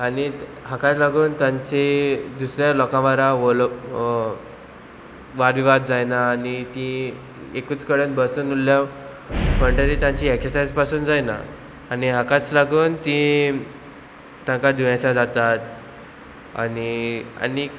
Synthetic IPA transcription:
aniɦakat͡slaɡuːnt̪jãɲt͡ɕed̪usɾjalɔkãʋaɾaʋɔl | ʋaɾʋiʋad̪d͡zajnaːnit̪ĩ | ekuːt͡skəɽənbəsəːnulːjaʋ | pəɳʈaɾiːt̪jãɲt͡ɕiːeksəɾsajd͡zpasuːnd͡zajna̰ | aniɦakat͡slaɡuːnt̪ĩ | t̪jãŋkad̪ʋiãsad͡zat̪at̪ | a̰nia̰ni

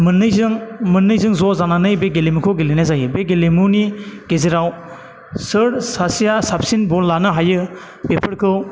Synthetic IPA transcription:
mɯnːɯjzɯŋmɯnːɯjzɯŋzɔzananɯjbeɡelemukʰɔɡelenezajɯbeɡelemuniɡ̥ezeɾaw | sɯɾsasijasap̚sinbɔnlanɯɦajɯ | pepʰɐɾkʰɯw

